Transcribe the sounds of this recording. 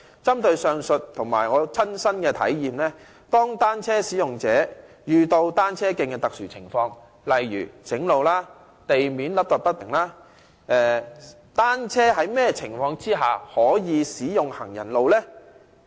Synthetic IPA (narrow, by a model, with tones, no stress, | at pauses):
t͡sɐ˥mt̪ɵ˧ɥsœː˨˧ŋsɵ˨t̚t̪ʰʊ˨˩ŋmaː˨˩jŋɔː˨˧t͡sʰɐ˥nsɐ˥nkɛː˧t̪ʰɐ̰˨˥jjiː˨˧mlɛː˥ | t̪ɔː˥ŋt̪aː˥nt͡sʰɛː˥siː˨˥jʊ˨ŋt͡sɛː˨˥ | jyː˨t̪o˧wt̪aː˥nt͡sʰɛː˥kɪ˧ŋkɛ˧t̪ɐ˨k̚syː˨˩t͡sʰɪ̰˨˩ŋfɔː˧ŋ | lɐ˨jɥyː˨˩t͡sɪ˨˥ŋlo˨˧wlaː˥ | t̪e˨jmiː˨˥nlɐ˨˥p̚t̪ɐ˨˩p̚ɐ˥t̚t̪ɪ˨˩ŋlaː˥ | ʔɛː˨ | t̪aː˥nt͡sʰɛː˥ɦɐ˨˥jmɛː˥˧t͡sʰɪ˨˩ŋfɔː˧ŋt͡siː˥ɦaː˨˩hɔː˨˥jiː˨˧siː˨˥jʊ˨ŋhɐ˨˩ŋjɐ̰˨˩nlo˨wlɛː˥